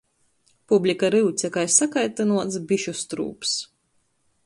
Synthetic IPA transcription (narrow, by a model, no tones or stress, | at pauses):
publʲikaɾiwt̪sʲɛkajsːakajt̪ɨnuɔt̪sbiʃust̪ɾṵːps